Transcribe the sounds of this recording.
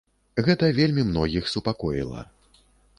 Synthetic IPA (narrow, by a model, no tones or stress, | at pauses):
ɣɛt̪ɐvʲelʲmʲimnɔɣʲixsupakɔjilˠɐ̰